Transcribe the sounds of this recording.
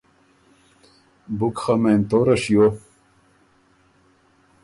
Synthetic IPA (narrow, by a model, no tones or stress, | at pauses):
bukχament̪oɾɐɕjo